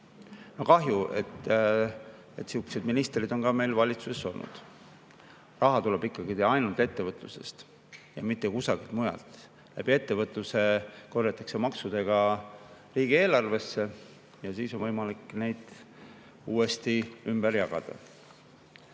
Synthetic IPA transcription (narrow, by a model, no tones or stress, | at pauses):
no̞kɑɦjuʔe̞̰t̪ː | et̪ːsiuksed̪minist̪rid̪̥o̞nkɑme̞jlvɑlʲit̪suseso̞lnṵd̪̥ | rʔɑɦɑt̪uleb̥ikːˑɑɡ̥id̪eɑjnult̪e̞t̪ːe̞vɤt̪ˑluse̞st̪ | jɑ̰mit̪ːekusɑɡ̥ilt̪̚mujɑ̰lt̪ | læb̥ie̞t̪ːevɤt̪ˑluse̞ko̞rjɑt̪ːˑɑkse̞mɑksud̪̥e̞ɡ̥ɑ | riːɡie̞ːlɑrve̞sːe̞ | jɑsiːsonvɤjmɑlikːˑne̞jd̪̥ | uːe̞st̪iymb̥eɾjɑɡ̥ɑ̰d̪̥ɑ̰